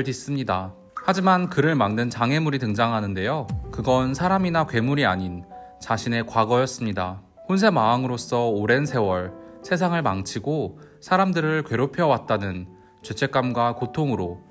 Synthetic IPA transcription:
ɭdis͈ɯmɲida | had͡ʑimankɯɾɯɭmaŋnɯnt͡ɕaŋɦe̞muɾitɯŋd͡ʑaŋɦanɯnde̞jokɯɡʌnsʰaɾaminakwe̞muɾiaɲin | t͡ɕaɕʰine̞kwaɡʌjʌs͈ɯmɲida | honsʰe̞maːŋɯɾos͈ʌoɾe̞nsʰe̞wʌɭsʰe̞s̬ʰaŋɯɭmaŋt͡ɕʰiɡosʰaɾamdɯɾɯɭkwe̞ɾopʰjʌwat̚t͈anɯn | t͡ɕet͡ɕʰe̞k͈amɡwakotʰoŋɯɾo

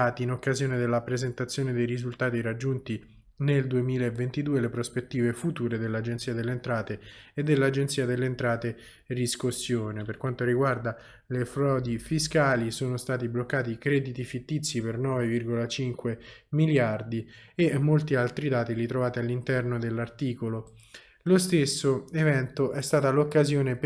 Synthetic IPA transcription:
aːt̪iːnokːazjoːned̪elːapɾezent̪at̪sːjoːned̪ejɾizult̪aːt̪iɾad͡ʒːunt̪i | neld̪uemiːlaevːent̪id̪uːelepɾospet̪ːiːvefut̪uːɾed̪elːad͡ʒent̪siːad̪elːent̪ɾaːt̪eːd̪ːelːad͡ʒent̪siːad̪elːent̪ɾaːt̪e | diskosːjoːneperkwant̪oɾiɡward̪a | lefɾɔːd̪ifiskaːlisoːnost̪aːt̪iblokːaːt̪ikɾɛːd̪it̪ifit̪ːit̪sːipernɔːvevirɡolat͡ʃiŋkwemiljard̪iemːolt̪ialt̪ɾid̪aːt̪ilit̪ɾovaːt̪ealːint̪ɛrnod̪elːart̪iːkolo | lost̪esːoevɛnt̪oʔɛst̪aːt̪alokːazjoːnep

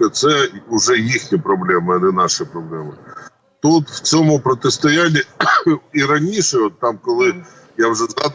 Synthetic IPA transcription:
ɐt̪sɛʊʒɛjixnʲipɾɔblˠɛmɐɐnɛnɑʃɪpɾɔblˠɛmɪ | t̪ut̪wt͡sʲɔmʊpɾɔt̪ɪst̪ɔjanʲːi | iɾɐnʲiʃɛɔt̪ːɑmkɔlˠɪ | jawʒɛzɑd̪

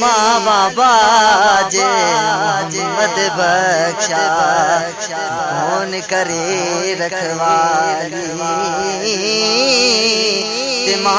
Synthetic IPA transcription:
maʋãbaːd͡ʒe | mət̪ebʱɐkʃaː | oːnɪkɐɾeɾɐkʰəʋaː | i | d̪ɪma

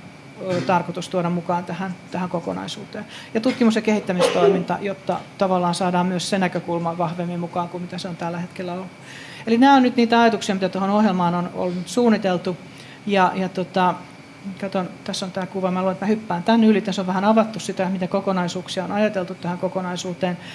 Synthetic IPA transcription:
øt̪ɑrkot̪ust̪uodɑmmukɑːnt̪æhænt̪æhæŋkoko̰nɑ̰isuːt̪eːn | jɑt̪ut̪kimusjɑkehit̪ːæmist̪oimint̪ɑ̰jot̪ːɑ̰t̪ɑʋɑlːɑːnsɑːdɑːmmyøssenækøkulmɑʋɑhʋemːimmukɑːŋkumit̪æseont̪ælːæhet̪kelːæolːu | elinæːonyt̪niːt̪æɑjɑt̪uksiɑmit̪æt̪ohonohjelmɑːnono̰lunyt̪suːnːit̪elt̪u | jɑjɑt̪ot̪ɑ | kɑt̪ont̪æsːont̪æːkuʋɑmæluloenet̪mæhypːæːnt̪ænylit̪æsoʋʋæhænɑʋɑt̪ːussit̪æmit̪ækokonɑisuːksiɑonɑjɑt̪elt̪ut̪t̪æhæŋkokonɑisuːt̪eːn

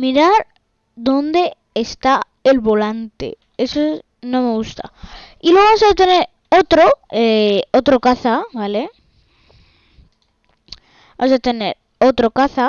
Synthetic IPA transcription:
miɾaɾ | d̪o̞nd̪e̞ː | st̪a | elβo̞lant̪e̞̰ | e̞soe | nõ̞me̞ɣ̞ust̪a̰ilweamosat̪e̞ne̞ɾ | ot̪ɾo̞eot̪ɾokaθaβale̞ | βamos̬at̪e̞ne̞ɾ | o̞t̪ɾo̞kaθa

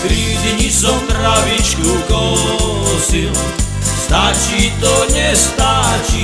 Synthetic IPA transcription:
kɾiziɲisɔwt̪ɾavit͡ʃkukɔ | sil | st̪at͡ʃit̪ɔɲɛst̪at͡ʃi

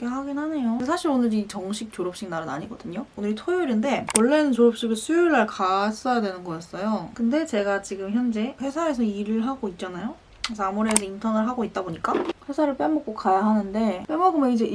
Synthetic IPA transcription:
kʰeɦaɡinɦane̞josʰaɕʰiɾonɯɾit͡ɕʌŋɕʰik̚t͡ɕoɾʌp̚ɕ͈iɡnaɾɯna̰ɲiɡʌdɯɲoonɯɾitʰojoɾinde̞wʌɭːe̞nɯnt͡ɕoɾʌp̚ɕ͈iɡɯɭsʰujuɭːaɭkas͈ʌjadwe̞nɯnɡʌkas͈ʌjokɯnde̞t͡ɕe̞ɡat͡ɕiɡɯmçjʌnd͡ʑe̞ɸwe̞sʰaesʰʌiɾɯɭɦaɡoit̚t͡ɕ͈anajo | kesʰʌamuɾiesʰʌintʰʌnɯɭɦaɡoit̚t͈aboɲik͈aɸwe̞sʰaɾɯɭp͈embʌk͈okajaɦanɯnde̞p͈emʌɡomʌnid͡ʑe̞

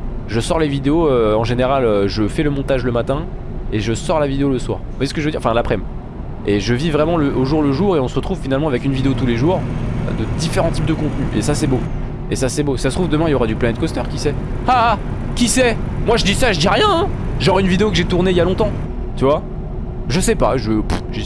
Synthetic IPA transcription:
ʒəsɔʁlevid̪eoøɑ̃ʒeneʁaløʒəfɛləmɔ̃t̪aʒləmat̪ɛ̃ | eʒəsɔʁlavid̪eoləswa̰ːʁvwasəkəʒəvød̪iʁ̃ɑ̃fɛ̃lapχɛm | eʒəvivʁɛmɑ̃ləʔoʒuʁləʒuʁeɔ̃səʁət̪χuvfinalmɑ̃avɛkynvid̪eot̪uleʒuʁ̰d̪əd̪ifeʁɑ̃t̪ip̚d̪əkɔ̃t̪nyʔesasɛbo | esasɛbosasət̪χuvd̪əmɛ̃iljoʁad̪yplanɛt̪̚kɔst̪œʁkʲisɛ | a | kʲisɛmwaʒəd̪isaʒəd̪iʁjɛ̃ʒɑʁaynvid̪eokəʒet̪uʁneiljalɔ̃t̪ɑ̃ | t̪yvwa | ʒəsɛpaʒəpʒ̥i

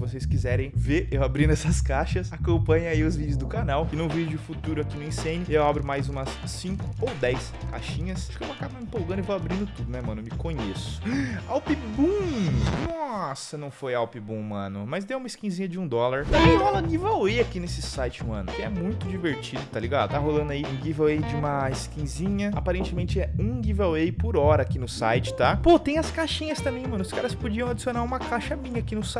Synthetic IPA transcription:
sɪvos̬ejskizɛɾẽj̃veʔewabɾĩnd̪ɛsɐskaʃɐsakõpɐ̃ɲʊaiʊzvid͡ʒʊzd̪ʊkanawkɪnʊvid͡ʒʊʊfut̪uɾʊakinʊĩsẽnɪewabɾʊmajzũmɐsːĩŋkʊ̥owd̪ɛjs | ka̰ʃĩɲɐsʃkɪeñakabɐĩpowɡɐ̃nd̪ʊevowabɾĩnd̪ʊt̪ud̪ʊnɛmɐ̃nʊmɪkõɲesʊ̥awpibũnɔsɐnɐ̃w̃fojawpɪbũmɐ̃nʊmɐzd̪ewũmɐɪskĩzĩɲɐd͡ʒɪũd̪ɔlaɾd̪ɐ̃ẽalɐɡivawejakinesɪsajt͡ʃɪũmɐ̰̃nʊkɪɛmũj̃t̪ʊd͡ʒiveɾt͡ʃid̪ʊt̪aliɡad̪ʊt̪aɦolɐ̃nd̪ʊaiũɡivawejd͡ʒɪũmɐɪskĩzĩɲɐapaɾẽnt͡ʃɪmẽnt͡ʃɪɛũɡivawejpoɾɔɾɐːkinʊsa̰jt͡ʃɪ̥t̪apot̪ẽj̃ɐskaʃĩɲɐst̪ɐ̃mbẽj̃mɐ̃nʊʊskaɾɐspod͡ʒiɐ̃w̃ad͡ʒisionaɾũmɐkaʃɐmĩɲɐakinʊsa

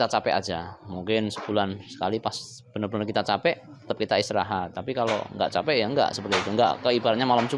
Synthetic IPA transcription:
t̪at͡ʃapɛ̰ʔa̰d͡ʒamuŋkɪnsə̥bulansə̥kalipas | b̥ənərbənərkit̪at͡ʃapɛʔt̪ə̥t̪əp̚kit̪aist̪ɾa̰ɦat̪apikalo̰ŋɡa̰ʔt͡ʃapɛʔjaŋɡa̰ʔsəpərt̪it̪uŋɡa̰ʔkəibaɾat̪̚ɲamalamt͡ʃu

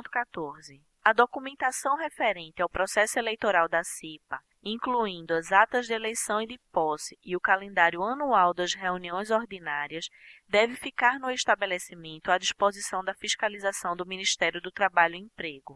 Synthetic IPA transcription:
t̪ʊ̥kat̪oɾzɪ | ɐd̪okumẽnt̪asɐ̃w̃ɦefeɾẽnt̪ɪawpɾɔsɛsʊelejt̪oɾawd̪ɐsipɐ | ĩkluĩnd̪ʊɐzat̪ɐzd̪ɪelejsɐ̃w̃id̪ɪpɔsɪɪʊkalẽnd̪aɾjʊɐnuawd̪ɐzɦeuniõj̃zoɾd̪inaɾiɐsd̪ɛvɪfikaɾnʊeʃt̪abelesimẽnt̪ʊad̪iʃpozisɐ̃w̃d̪ɐfiʃkalizasɐ̃w̃d̪ʊmĩniʃt̪ɛɾjʊd̪ʊt̪ɾabaʎʊĩpɾeɡʊ

